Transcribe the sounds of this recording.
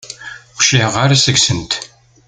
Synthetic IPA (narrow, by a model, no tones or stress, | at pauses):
ʃlihʁaɾasəɡsənt̪